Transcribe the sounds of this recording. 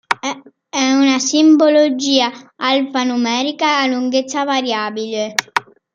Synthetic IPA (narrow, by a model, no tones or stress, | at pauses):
ɛunasimbolod͡ʒiːaalfanumɛːɾikaːluŋɡet̪sːavaɾjaːbile